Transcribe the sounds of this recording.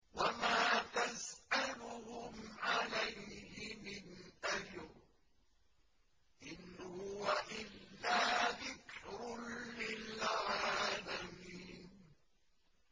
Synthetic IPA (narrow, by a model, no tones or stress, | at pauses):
wamaːt̪azʔalʊhʊmʕalajhɪmɪnʔad͡ʒɾ | ʔɪnhhʊʊwaʔɪlːaːðɪkɾʊlɪlʕʕaːlamiːnn